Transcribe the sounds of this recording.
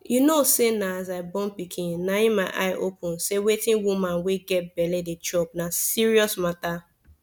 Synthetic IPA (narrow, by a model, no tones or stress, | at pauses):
junosenaazaɪbɔ̃npikʰĩnnaĩmaɪʔa̰ɪʔopʰũnsewetĩnwumãnweɡɛt̚bɛledet͡ʃɔp̚nasiɹiɔsmata